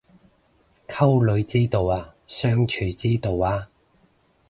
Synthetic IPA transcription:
kʰɐ˥wlɵ˨˧ɥt͡siː˥t̪o˨˧waː˧sœː˥ŋt͡ʃʰyː˨˩t͡siː˥t̪o˨˧waː˧

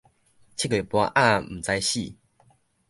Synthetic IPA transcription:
t͡ɕʰi˦kwe˨˩pwa˧˦ʔa˥˦˨m̩˨˩t͡sa˧jɕi˥˨

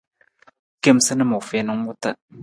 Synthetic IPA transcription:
ke˦msɨ˦nɨ˦mo˨fe˦nɨ˦ŋ˦wʊ˦ta˦

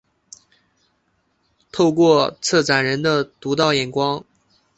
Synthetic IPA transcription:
t̪ʰo˥˧ʊkwɔ˥˧t͡sʰɤ˥˩t͡sa˨˩nɻə˧˥nd̪ə˧t̪u˧˥t̪ɑ˥˩ʊjɛ˨˩nkwɑ˥ŋ

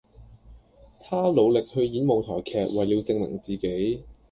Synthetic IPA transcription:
t̪ʰaː˥lo˨˧wlɪ˨k̚hɵ˧ɥjiː˨˥nmo˨˩wt̪ʰɔː˨˩jkʰɛː˨˧k̚wa˨˩jiː˨˧wt͡sɪ˧ŋmɪ̰˨˩ŋt͡siː˨˩ke˨˥j

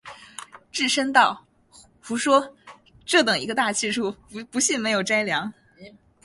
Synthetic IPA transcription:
ʈ͡ʂɻ̩˥˩ʂə˥ŋt̪ɑ˥˩ʊ | xu˧˥ʂwɔ˥ | ʈ͡ʂɤ˥˩t̪ɤ˨˩ŋḭ˧˥ɡə˧t̪a˥˧t͡ɕʰi˥˧ʈ͡ʂʰu˥˩pu˧˥ɕi˥˩nme˧˥ɪjo˨˩ʊʈ͡ʂa˥ɪljɑ˧˥ŋ

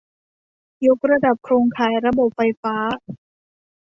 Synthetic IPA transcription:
jo˦˥k̚ɾa˧da˨˩p̚kʰɾoː˧ŋkʰaː˨˩jɾa˧bo˨˩p̚fa˧jfaː˦˥

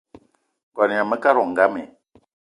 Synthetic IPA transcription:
ɡɔ˨n˨ã˨mə˦ka˦ɾɔ˨ŋ̩˨ɡa˦mɛ˨

